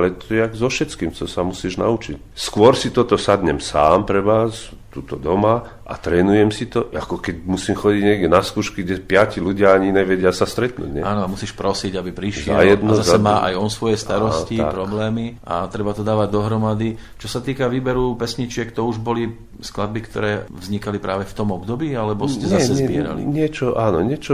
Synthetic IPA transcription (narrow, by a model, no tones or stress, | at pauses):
lɛt̪ɔjɛaɡzɔfʃɛt͡skiːmt͡ʃɔsamusiːʒna̰ut͡ʃic | skʊɔɾsit̪ɔt̪ɔsad̪ɲɛmsaːmpɾɛʋas | t̪uːt̪ɔd̪ɔma | ʔa̰t̪ɾɛːnujɛmsit̪ɔakɔkɛcmusiːmxɔɟiɟɲɪɛɡɟɛnaskuːʃkiɡɟɛpɪaciluɟɪaaɲiɲɛʋɛɟɪasast̪ɾɛt̪nṵːɟɲɛ̰aːnɔamusiːʃpɾɔsiɟabipɾiʃɪɛ̰jlɛd̪nɔzasɛmaːʔa̰jɔnsʋɔjɛst̪aɾɔsciapɾɔblɛːmiʔa̰t̪ɾɛbat̪ɔd̪aːʋaɟd̪ɔɦɾɔmad̪it͡ʃɔsat̪iːkaʋiːbɛɾupɛsɲit͡ʃɪɛkt̪ɔuʒbɔli | sklad̪̚bikt̪ɔ̰ɾɛːvzɲikalipɾaːʋɛft̪ɔmɔbd̪ɔbiːalɛbɔscɛzasɛzbɪɛɾa̰lḭɲɪɛt͡ʃɔʔaːnɔɲɪɛt͡ʃɔ